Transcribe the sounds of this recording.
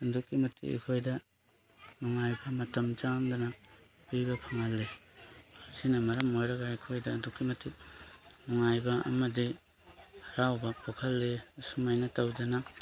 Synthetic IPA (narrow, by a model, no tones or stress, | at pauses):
ɐndukːimɐtʰːḭḛkʰojdɐ | mɐŋajbɐmɐtɐmt͡ʃamdɐnɐ | pibɐpʰɐŋɐlːe | sinɐmɐɾɐmojɾɐɡaikʰojdɐːndukːimɐtʰːi | mɐŋajbɐɐ̰mɐdi | ɾawbɐpʰokʰɐlːesumajnɐtɐwdɐnɐ